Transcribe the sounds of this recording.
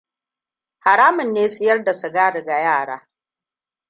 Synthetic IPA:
ha˨ɽaː˦mʊ˨nːeː˦su˦jɐ˦rda˨sʊ˨ɡaː˦ɽɪ˨ɡa˨jaː˦˨ɽa̰ː˦

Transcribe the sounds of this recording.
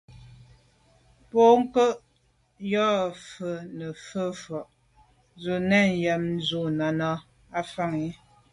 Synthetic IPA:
pɔ˦ŋ˦kə˦ʔ | jɔ˦˨fə˨nə˨fə˦fɔ˨ʔ | zu˨nɛ˦˨n˨jɛ˨mn˦zu˨na˨nɔ˦ | a˦fa˦˨ŋi˨˦

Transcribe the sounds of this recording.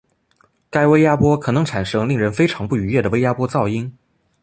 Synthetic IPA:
ka˥ɪwe˥ɪja˥pwɔ˥kʰɤ˨˩nɤ˧˥ŋʈ͡ʂʰa˨˩nʂɤ˥ŋli˥˩ŋɻə˧˥nfe˥ɪʈ͡ʂʰɑ˧˥ŋpu˥˩y˧˥jɛ˥˩d̪ə˩we˥ɪja˥pwɔ˥t͡sɑ˥˩ʊi˥ŋ

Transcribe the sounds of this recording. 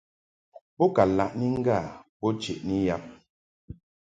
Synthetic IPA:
bɔ˦ka˨la˨ʔni˦ŋ˦ɡa˦˨bɔ˦t͡ʃe˨ʔni˦ja˦p̚

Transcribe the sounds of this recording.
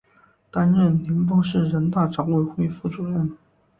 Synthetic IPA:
t̪a˥nɻə˥˩nli˧˥npwɔ˥ʂɻ̩˥˩ɻə˧˥nt̪a˥˩ʈ͡ʂɑ˧˥ŋwe˥˩ɪxwe˥˧ɪfu˥˩ʈ͡ʂu˨˩ɻə˥n

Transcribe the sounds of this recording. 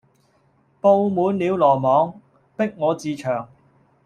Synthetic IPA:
po˧wmuː˨˧nliː˨˧wlɔː˨˩mɔː˨˧˥ŋ | pɪ˥k̚ŋɔː˨˧t͡siː˧t͡ʃʰœː˨˩ŋ

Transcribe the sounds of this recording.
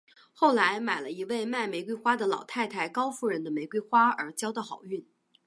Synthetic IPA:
xo˥˩ʊla˧˥ɪma˨˩ɪlə˦i˧˥we˥˧ɪma˥˩ɪme˧˥ɪkwe˥ɪxwa˥d̪ə˨lɑ˨˩ʊt̪ʰa˥˩ɪt̪ʰa˥˩ɪkɑ˥ʊfu˥˩ɻə˧˥nd̪ə˧me˧˥ɪkwe˥ɪxwa˥ə̰˞˧˥t͡ɕjɑ˥ʊd̪ə˧xɑ˨˩ʊy˥˩n

